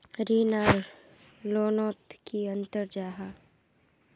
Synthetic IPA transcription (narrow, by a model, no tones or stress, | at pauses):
ɾiːnaːɾ | loːnoːt̪kiɐ̃nt̪əɾd͡ʒaːɦa